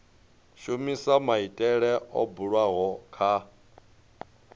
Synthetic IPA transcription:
ʃumisamaitʼɛɺɛʔɔ̰buɺwaɦɔkʰa

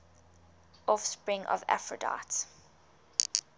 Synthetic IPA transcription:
ʔɔfspɹɪ̃ŋʔɔ̰va̰fɹəda̰ts

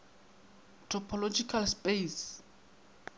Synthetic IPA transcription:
tʰɔpʰɔlod͡ʒikʰalspes

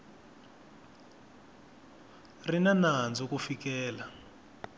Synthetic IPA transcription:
rinanand͡zɔkufikɛːla

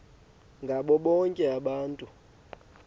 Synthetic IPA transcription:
ŋɡʱaɓɔɓɔŋkʼɛaɓaːntʼu

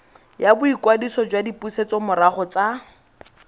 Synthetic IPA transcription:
jabʊikwadisɔd͡ʒwadipuset͡sɔmʊɾaχɔt͡sa

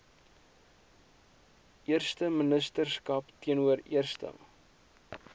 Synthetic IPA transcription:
ʔiərstəmənəstərskɐptiənuəɾiərstə̰m

